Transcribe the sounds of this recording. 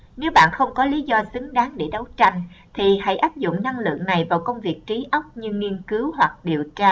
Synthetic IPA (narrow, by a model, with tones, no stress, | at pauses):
ne˨˦wɓa̰ː˧˨nxə˧wŋ͡mkɔ˨˦li˨˦zɔ˧sɨ˨˦ŋɗaː˨˦ŋɗe˧˩ɗə˨˦wt͡ɕa˧jŋ̟t̪ʰi˨˩ha̰˧˥jʔaː˦˥p̚zʊ̰˧˨ŋ͡mna˧ŋlɨ̰˧˨əŋna˨˩jvaː˨˩wkə˧wŋ͡mvi˨˩ək̚t͡ɕi˨˦ʔə˦˥wk͡p̚ɲɨ˧ŋi˧ənkɨ˨˦whwa˨˩k̚ɗi˨˩əwt͡ɕaː˧